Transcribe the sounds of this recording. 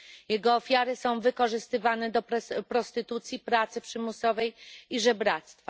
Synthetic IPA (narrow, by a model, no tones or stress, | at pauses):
jɛɡɔːfʲjaɾɘsɔ̃w̃vɘkɔʐɘst̪ɘvanɛd̪ɔpɾɔst̪ɘt̪ut̪sʲjipɾat̪sɘpʂɘmusɔvɛjiʐɛbɾat̪st̪fa